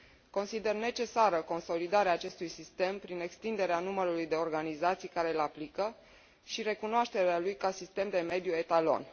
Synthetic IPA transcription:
ko̞nsid̪e̞rne̞t͡ʃe̞saɾəko̞nso̞lid̪aɾeaːt͡ʃe̞st̪ujsist̪e̞mpɾine̞kst̪ind̪e̞ɾeanuməɾulujd̪e̞o̞rɡanizat̪sijkaɾe̞laplikə | ʃiɾe̞kunoaʃt̪e̞ɾealujkasist̪e̞md̪e̞me̞d̪jue̞t̪alo̞̰n

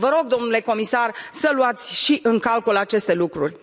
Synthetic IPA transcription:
vəɾo̞ɡd̪o̞mnule̞ko̞misarsəluat̪sʲʃiʔɨŋkalkulat͡ʃe̞st̪e̞lukɾṵrʲ

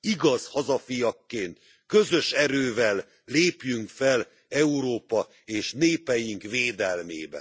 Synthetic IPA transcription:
iɡɒzhɒzɒfijɒkːeːnt̪ | kø̞zø̞ʃɛɾøːvɛlː | eːpjyŋkfɛl | ɛuɾoːpɒ | eːʃneːpɛjiŋkveːd̪ɛlmḛːbɛ̰n

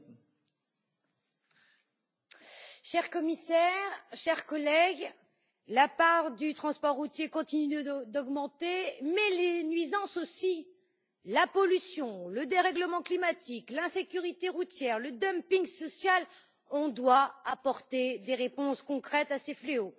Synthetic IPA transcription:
ʃɛʁkɔmisɛʁʃɛʁkɔlɛɡ | lapaʁʁd̪yt̪χɑ̃spɔʁːut̪jekɔ̃t̪inyd̪ɔɡmɑ̃t̪emɛlenɥizɑ̃sosi | lapɔlysjɔ̃ləd̪eʁɛɡləmɑ̃klimat̪iklɛ̃sekʲyʁit̪eʁut̪jɛʁləd̪ɔmpĩŋsɔsjal | ɔ̃d̪waapɔʁt̪ed̪eʁepɔ̃skɔ̃kχɛt̪asefleo

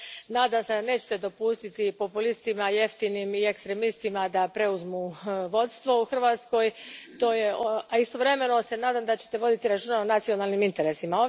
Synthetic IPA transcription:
naːd̪amsed̪ne̞ːt͡ɕe̥t̪e̞d̪o̞pust̪it̪ipo̞pulist̪imaje̞ft̪inimie̞kst̪ɾe̞mist̪imad̪apɾe̞uzmuʋo̞t̪st̪ʋo̞uxr̩ʋaːt̪sko̞jt̪o̞ːje̞oaist̪o̞ʋɾe̞me̞no̞se̞naːd̪amd̪at͡ɕe̞̥t̪e̞ʋo̞d̪it̪iɾat͡ʃuːnaonat̪sio̞naːlˠnimint̪e̞ɾe̞simao

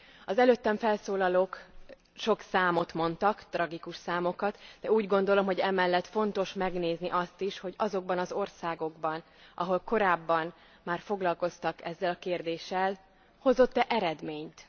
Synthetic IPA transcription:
ɒzɛløːt̪ːɛɱfɛlsoːlɒloːk | ʃo̞ksaːmo̞t̪mo̞nt̪ɒkt̪rɒɡikuʃsaːmo̞kɒt̪d̪ɛuːɟɡo̞nd̪o̞lo̞mɦo̞ɟɛmɛlːɛt̪fo̞nt̪o̞ʃmɛɡneːzniʔɒst̪iʃho̞ɟɒzo̞ɡ̚bɒnɒzo̞rsaːɡo̞ɡbɒn | ʔɒ̰ɦo̞lko̞ɾaːbːɒn | maːrfo̞ɡlɒlko̞st̪ɒkɛ̰zːɛlɒkeːrd̪eːʃːɛl | ho̞zo̞t̪ːɛʔɛɾɛd̪meːɲt̪

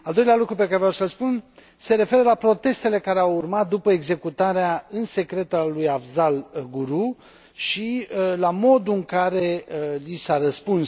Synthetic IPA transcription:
ald̪o̞jlealukɾupekaɾevjasəlspun | se̞ɾe̞fe̞ɾəlapɾo̞t̪e̞st̪e̞le̞kaɾeawurmat̪̚d̪upəeɡze̞kut̪aɾeaɨnse̞kɾe̞t̪aalujavzalɡuɾu | ʃilamo̞d̪uɨŋkaɾe̞lisaɾəspuns

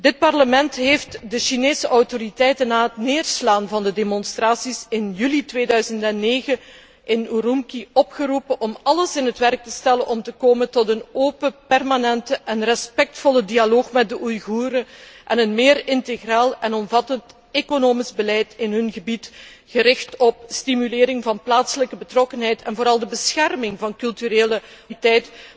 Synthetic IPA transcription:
dɪt̚pɑrləmɛntɦeːftdəʃineːsəʔɔwtoɾitɛjtənːaːɦətneːrslaːnvɑndədemɔnstɾraːsisɪnjylitʋeːdœɥzəntɛnːeːɣə | ʔɪnuɾumkiɔpxəɾupənʔɔmɑləsɪnɦətʋɛrk̚təstɛlənʔɔmtəkoːməntɔtənoːpəpɛrmanɛntəʔɛnrəspɛk̚tfɔlədialoːxmɛt̚dəʔujɣuːɾəʔɛnənmɪːɾɪnteɣraːlˠɛnɔmvɑtənt | ekonoːmizbəlɛjtɪnɦɵnɣəbit | ɣəɾɪxtɔpstimylɪːɾɪŋvɑnplaːtsələkəbətrɔkənɦɛjtʰɛnvoːɾɑlˠdəbəsxɛrmɪŋvɑnkɵlˠtyɾeːləitɛjt

